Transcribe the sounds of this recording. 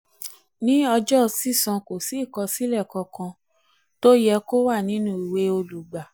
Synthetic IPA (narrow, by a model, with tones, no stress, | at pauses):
nĩ˦ɔ˧d͡ʒɔ˦˧si˦˨sã˧ko˨si˨˦˨kɔ˧si˦lɛ˦˨kɔ̃˧kã˧ | to˦jɛ˧ko˦wa˦˨nĩ˨˦nũ˦i˨we˧˦o˧lu˨ɡ͡ba˨